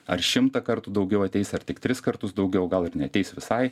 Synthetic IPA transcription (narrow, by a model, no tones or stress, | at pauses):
ɐ̰ɾʃʲɪmt̪ɐkɐɾt̪ʊd̪ɒʊɡʲɛʊɐt̪ʲɛɪsɐɾt̪ʲɪkt̪ʲɾʲɪskɐɾt̪ʊsd̪ɒʊɡʲɛʊɡɐlˠɪɾnʲɛɐt̪ʲɛɪsʋʲɪsɐɪ